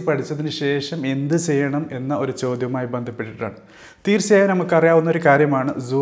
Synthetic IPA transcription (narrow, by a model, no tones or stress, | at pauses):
ipɐʈʰit͡ɕːɐðinɨɕe̞ːʂɐme̞nd̪ɨt͡ɕe̞jːɐɳɐme̞nːɐo̞ɾut͡ɕo̞ːd̪jɐmaːjbend̪ʱɐpːeʈːiʈːa̰ːɳɨ | t̪iːɾsɐːjɐnɐmukːɐrijaːʋunːɐo̞ɾukaːɾjɐmaːɳɨzu